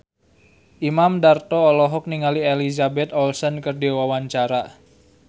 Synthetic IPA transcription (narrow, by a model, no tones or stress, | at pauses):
ʔimamdart̪ɔːlɔɦɔk̚niŋalielizabɛt̪ɔlsɔnkərdewawaɲt͡ʃaɾa